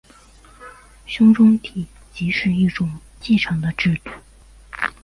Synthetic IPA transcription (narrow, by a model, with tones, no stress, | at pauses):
ɕu˥ŋʈ͡ʂʊ˥ŋt̪ʰi˨ | t͡ɕiː˩˥ʈ͡ʂʰø˥˨ji˥˨ʈ͡ʂʊ˥˨ŋ | t͡ɕi˥˨ʈ͡ʂʰɑ˥˨ŋt̪a˨ʈ͡ʂy˥˨t̪u˨